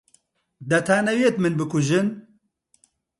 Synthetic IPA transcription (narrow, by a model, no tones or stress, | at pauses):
d̪ɐt̪ʰaːnɐwjet̪mɨnbɨkʊʒɨn